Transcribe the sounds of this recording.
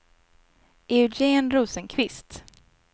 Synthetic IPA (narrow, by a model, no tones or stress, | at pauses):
eʉd͡ʒeːnɾuːsənkʰvɪst̪